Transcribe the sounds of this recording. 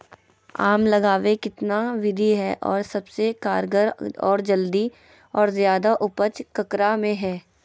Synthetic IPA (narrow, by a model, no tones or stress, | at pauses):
aːmlɐɡaːʋekɪt̪naʋɪd̪ʱiɦɛːʔɔːɾsɐbsekaːɾɡəɾɔ̰ːɾd͡ʒəld̪i | ɔːɾzjaːd̪aʔʊpət͡ʃkɐkɾamẽɦɛː